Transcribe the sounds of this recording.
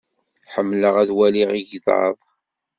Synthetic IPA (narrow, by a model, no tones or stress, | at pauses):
ħəmːləʁæðwæliʁiʝðʕə̰ðˤ